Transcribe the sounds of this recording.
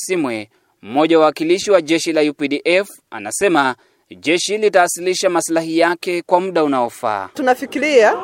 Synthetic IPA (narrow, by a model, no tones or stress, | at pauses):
simwɛ | m̩mɔʄawawakiliʃiwaʄɛʃilajupiɗiʔɛf | a̰na̰sɛma | ʄɛʃilitaːsiliʃamaslahijakɛkwamuɗaunaɔfa̰ːtunafikiɾia